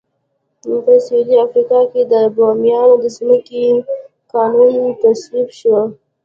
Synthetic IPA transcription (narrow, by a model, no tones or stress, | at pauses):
pəsaud̪iafɾikɑked̪əbomjɑnod̪əzməke | qɑnunt̪asɾifʃə